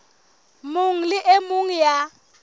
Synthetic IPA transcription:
mʊŋ̩lɪʔemʊŋ̩ja

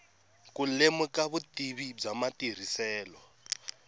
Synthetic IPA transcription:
kulemukaβutiβib͡ʐamatir̤isɛːlɔ

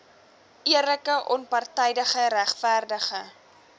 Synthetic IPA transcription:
ʔiərləkəʔɔnpɑrtɛjdəχəɾæχfærdəχə

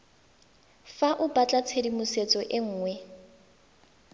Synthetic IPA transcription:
faʔʊbat͡ɬʼat͡sʰedimuset͡sʼɔʔɪŋ̩ːŋwɛ

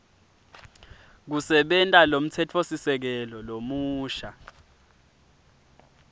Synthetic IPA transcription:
k̬usɛɓɛntʼalom̩tʰɛtʰosisɛk̬ɛlɔlomuːʃa

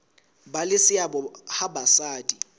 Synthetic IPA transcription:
balɪsɪabɔhabasaːdi

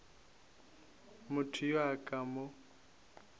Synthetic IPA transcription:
mʊtʰʊjwakʼamʊ

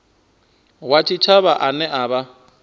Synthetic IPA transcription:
wat͡ʃʰit͡ʃʰaβaʔanɛʔaːβa

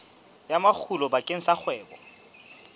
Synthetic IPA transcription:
jamak͡xʰulɔbakʼeŋ̩sak͡xʰwɛːbɔ̰

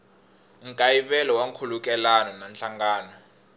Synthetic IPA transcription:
ŋ̩kʼajiɓɛlɔwaŋkʰuluk̬ʼɛlanɔnant͡ɬaŋɡaːnɔ

